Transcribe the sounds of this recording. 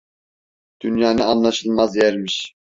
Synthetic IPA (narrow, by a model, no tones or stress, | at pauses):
d̪̥ynjaːnɯanlˠaʃɯlˠmazjɛɾmiʃ